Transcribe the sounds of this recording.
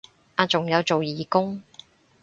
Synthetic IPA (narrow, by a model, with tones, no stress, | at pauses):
ʔaː˧t͡sʊ˨ŋjɐ˨˧wt͡so˨wjiː˨˩kʊ˥ŋ